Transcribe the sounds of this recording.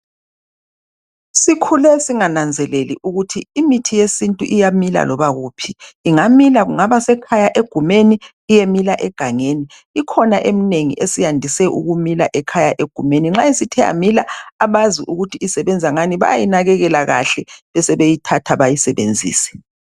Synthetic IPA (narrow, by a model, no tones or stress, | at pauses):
sikʰulɛsiŋanand͡zʱɛlelḭʔuɣutʰiːmitʰijesintʼuʔijamila̰lɔβaɣuːpʰiːŋamilaɣuŋaβasɛkʰajaʔeɡ̥ʱumeniː | jemilaʔɛɡ̥ʱaŋeniː | kʰɔnaʔemineŋḭʔesijandʱisɛʔuɣumila̰ʔɛkʰajaʔeɡ̥ʱumeniŋ͡ǁaisitʰɛa̰milaaβaziʔuɣutʰiisɛβɛnd͡zʱaŋaniβa̰ja̰jinaɣɛɣɛlaɣa̰ɬɛβɛsɛβejitʰatʰaβajisɛβend͡zʱḭːsɛ̥